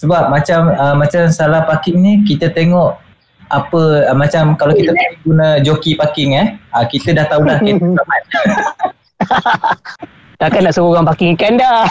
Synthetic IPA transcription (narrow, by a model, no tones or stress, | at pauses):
səbap̚mat͡ʃaməːat͡ʃamsalahpakɪŋnikit̪ət̪eŋɔʔ | apəmat͡ʃamkalawkit̪əpaiɡunəd͡ʒokipakɪŋɛhəkit̪ədaht̪aulahkeamat̪̚ | t̪akanːaʔsəoɣaŋpakɪŋkanda